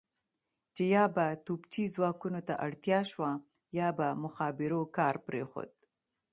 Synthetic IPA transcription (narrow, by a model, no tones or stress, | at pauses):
t͡ʃejɑbat̪ubt͡ʃizwɑkunot̪aʔaɽt̪jɑʃwa | jɑbamʊxɑbɪɾokɑɾpɾexo̰d̪̚